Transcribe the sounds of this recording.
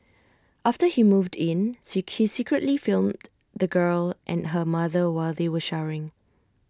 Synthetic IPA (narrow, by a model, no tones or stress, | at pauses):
ʔaftəhimuvdɪ̃nsikhisikɹəʔlifɪlˠmd | ðəɡɜlʔɛ̰̃nɦəmaðəwaɪldewəʃaɹɪ̃ŋ